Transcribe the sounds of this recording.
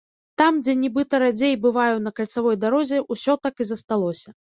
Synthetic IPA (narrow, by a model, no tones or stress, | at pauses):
t̪amd͡zʲɛnʲɛbɨt̪ɐɾad͡zʲejbɨvajɛnɐkalʲt̪savɔjd̪aɾɔzʲɛʔusʲɔt̪akɨzɐst̪alˠɔsʲɐ